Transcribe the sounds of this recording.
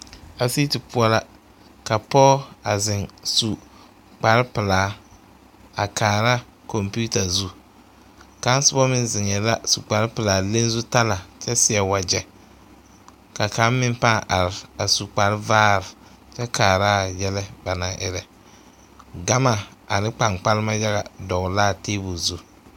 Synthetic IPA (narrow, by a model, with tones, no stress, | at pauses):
a˨si˦ti˨pʊ˦ɔ˦la˦ | ka˨pɔ˦a˨zɪ˨ŋsu˨ | k͡pa˨ɾɪ˦pɪ˨laː˨˦ | a˨kʰaː˨ɾa˦ | ko˨mpu˦ta˨zu˦ | ka˨˦n˦sʊ˦bɔ˦mɪ˦nzɪ˨ŋɛ˨la˦su˨k͡pa˨ɾɪ˦pɪ˨laː˨le˦n˦zu˦ta˦la˨t͡ʃɛ˦sɪ˨ɛ˨wa˨d͡ʒɛ˦ | ka˨ka˨˦mːɪ˦mpa˦ʔa˨ɾɪ˨a˨su˨k͡pa˨ɾɪ˦vaː˦ɾɪ˨ | t͡ʃɛ˦kʰaː˨ɾa˦jɛ˦lɛ˦ba˨na˨ʔɪ˨ɾɛ˨ | ɡa˦ma˨a˨nɪ˦k͡pa˨ŋk͡pa˦lɪ˦ma˦ja˦ɣa˨dɔ˨ɣla˦˨teː˦bʊ˨zu˦